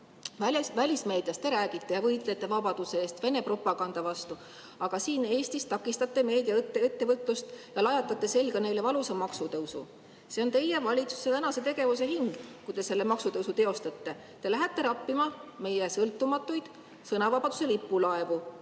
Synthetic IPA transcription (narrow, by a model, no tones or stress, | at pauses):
væsvælʲisme̞ːd̪jɑst̪e̞ɾæːɡ̥it̪ːˑe̞jɑvɤjt̪ˑle̞t̪ːˑe̞vɑbɑd̪̥use̞est̪ve̞ne̞pro̞pːˑɑɡɑnd̪̥ɑvɑst̪u | ɑɡ̥ɑsiːne̞ːst̪ist̪ɑkːˑist̪ɑt̪ːˑe̞me̞ːd̪iɑt̪ːeet̪ːe̞vɤt̪ˑlust̪jɑlɑjɑt̪ːˑɑt̪ˑːe̞se̞lɡɑne̞jle̞vɑlusemɑksut̪ɤusṵ | se̞o̞nt̪e̞je̞vɑlʲit̪su̥set̪ænɑse̞t̪e̞ɡ̥e̞vus̬e̞ɦiŋɡ̥kujt̪e̞se̞lːemɑksut̪euwsut̪e̞o̞st̪ɑt̪ːe̞ | t̪e̞læɦet̪ˑːe̞ɾɑpːimɑme̞jesɤlt̪ːumɑt̪ːˑujd̪̥ | sɤnɑvɑbɑd̪̥use̞lipːulɑe̞vu